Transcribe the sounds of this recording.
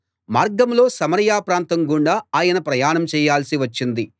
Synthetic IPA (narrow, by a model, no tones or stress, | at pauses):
maːɾɡɐmlo̞ːsɐmɐɾjaːpɾaːnt̪ɐŋɡuɳɖaːaːjɐnɐpɾɐjaːnɐmt͡ʃɛːjaːlsiʋɐt͡ʃːind̪i